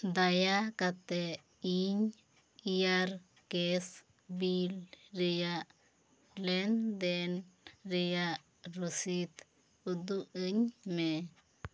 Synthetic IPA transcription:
d̪ajakat̪e | iɲ | jaɾ | kes | bilɾija | lend̪enɾija | ɾosit̪ | ud̪uʔəɲme

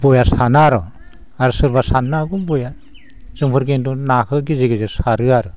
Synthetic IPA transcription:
b̥ɔjasanaɾɯ | aɾsɯɾbasanːaɡuŋbɔja | z̥ɯŋpʰɯɾkentunakʰɯɡiziɡizesaɾɯaɾɯ

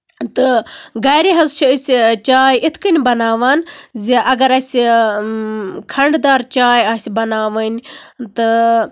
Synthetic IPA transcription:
t̪ɨɡɐjɾiɦɐzt͡ʃʰisʲt͡ʃaːjʔit̪ʰkɨnʲbɐnaːʋaːnziʔɐɡɐɾɐsʲi | kʰɐɳɖd̪aːɾt͡ʃaːjɐːsʲbɐnaːʋɐnʲt̪ɨ

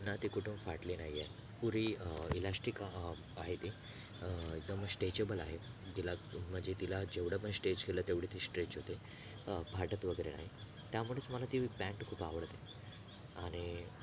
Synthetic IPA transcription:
nːat̪ikuʈʰumfaʈlinaɦie | puɾiːilasʈik | aɦet̪i | eɡ̚d̪əmsʈed͡ʑebəlaɦe | ɡelam̤əd͡ʑet̪ilad͡ʑeʋɽəpəɳsʈed͡ʑɡelət̪eʋɽ̤et̪ʰisʈɾet͡ɕɦot̪e | bʱaʈət̪ʋəɡəjɾḛna̰ɦi | t̪jamuɭet͡sməlat̪ibɛ̃ɳʈkʰuːpaʋəɽt̪e | aɽ̃i

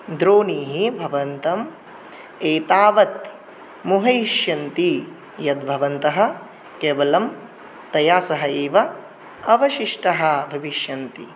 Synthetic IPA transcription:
d̪ɾoːniːɦibʱɐʋɐnt̪ɐm | eːt̪aːʋɐt̪ | muɦɐiʃjɐnt̪i | jɐt̪̚bʱɐʋɐnt̪ɐɦɐ̆ | keːʋɐlɐm | t̪ɐjaːsɐɦɐeːʋɐ | ɐʋɐʃiʂʈɐɦɐbʱɐʋiʃjɐnt̪i

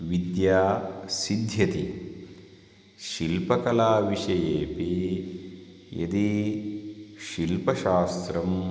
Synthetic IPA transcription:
ʋid̪jaːsid̪ʱjɐt̪i | ʃilpɐkɐlaːʋiʂɐjeːpi | jɐ̰d̪i | ʃilpɐʃaːst̪ɾɐm

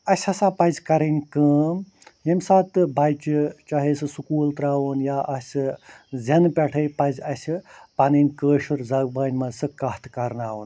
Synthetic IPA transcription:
ɐsʲɐsaːpɐzʲkɐɾɐnʲkəːm | ɦemsaːt̪ɨbɐjt͡ʃit͡ʃɐɦeːsɨsukuːlt̪ɾaːʋunjaːʔɐsʲɨzʲɐnpʲɐʈʰɐjpɐzʲɐsʲipɐnɐnʲkəːʃuɾzɐɡbɐːnʲmɐzsɨkɐht̪ʰkɐɾnaːʋun

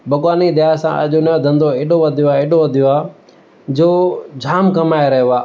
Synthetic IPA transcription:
bʱɐɠwaːnid̪ɪjaːsã̰ːʔə̰ʄonɐ̃d̪ʱə̃nd̪oeːɗoʋəd̪ʱijoaːeːɗoʋəd̪ʱijoaː | d͡ʑoːd͡ʑʱaːmkɐmaːeɾɐɦaː

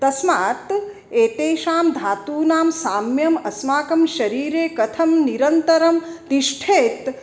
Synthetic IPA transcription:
t̪ɐsmaːt̪ | eːt̪eːʃaːmd̪ʱaːt̪uːnaːmsaːmjɐmɐsmaːkɐmʃɐɾiːɾeːkɐt̪ʰɐmniɾɐnt̪ɐɾɐmd̪iʃʈʰeːt̪

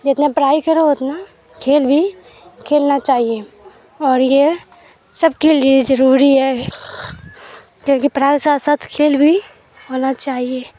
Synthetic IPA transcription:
d͡ʒɪt̪napɾaːikəɾoɦoːt̪na | kʰeːlbʱi | kʰeːlnat͡ʃaːɦie | ɔːɾje | sɐbkeliezɐɾuːɾiɦɛː | kjõːkipɾaːisasət̪ʰkʰeːlbʱi | ɦoːnat͡ʃaːɦie

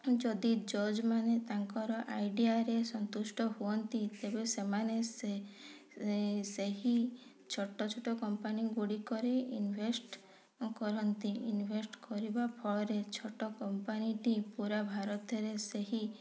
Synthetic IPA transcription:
d͡ʒɔd̪id͡ʒɔd͡ʒmanet̪aŋkɔɾɔʔajɖiaɾesɔnt̪usʈɔɦuɔnt̪it̪ebesemanese | seɦi | t͡ʃʰɔʈːɔt͡ʃʰɔʈɔkɔmpaniɡuɽikɔɾeinbʱesʈ | kɔɾɔnt̪iinbʱesʈkɔɾibapʰɔɭɔɾet͡ʃʰɔʈɔkɔmpaniʈipuɾabʱaɾɔt̪ɔɾeseɦi

